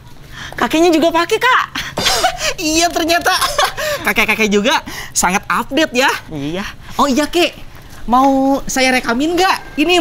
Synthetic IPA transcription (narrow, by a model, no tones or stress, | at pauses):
kakeɲad͡ʒuɡapakikaʔ | ijat̪ərɲat̪akakɛkakɛd͡ʒuɡasaŋat̪ap̚dɛt̪̚jajaɔijakɛʔ | mausajaɾekamɪnɡaʔ | ini